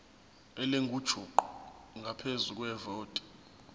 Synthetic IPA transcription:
ɛleŋɡʱud̥ʒ̥ʱuǃu | ŋɡʱapʰezuk̬ʼwɛvoːtʼɛ̥

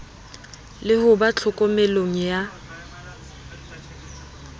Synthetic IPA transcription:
lɪhʊbat͡ɬʰʊkʼɔmeloŋ̩ja

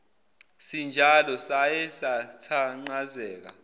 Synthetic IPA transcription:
sind͡ʒʱalɔsajɛsatʰaŋ͡ǀazɛːk̬a̰

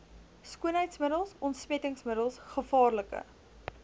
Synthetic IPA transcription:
skuənɦəjtsməɾdəlˠsɔntspɛtəŋsməɾəlˠsχəfɑːrləkə̰

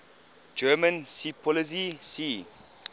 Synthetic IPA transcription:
d͡ʒɜːmə̃nsipʰɔlis̬isi

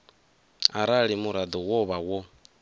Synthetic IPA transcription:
aɾaɺimuɾad̪ɔwɔβawɔ

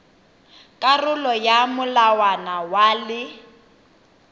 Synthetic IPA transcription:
kʼarʊlɔjamʊlawanawalɪ

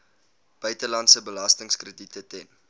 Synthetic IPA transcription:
b̥œɥtəlɐntsəbəlɐstəŋskrəditətɛn

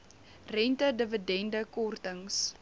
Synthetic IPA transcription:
rɛntədəvədɛndəkɔrtəŋs

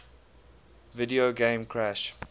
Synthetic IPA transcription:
vɪdioɡẽɪmkʰɹæʃ

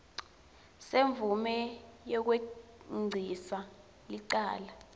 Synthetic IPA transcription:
seɱvumɛjɔk̬weŋ͡ǀʱisa | liǀaːla

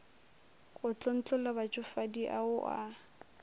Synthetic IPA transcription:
kʼʊt͡ɬʼɔn̩t͡ɬʼɔlabat͡ʃʼʊfadiʔa̰ʊʔa̰

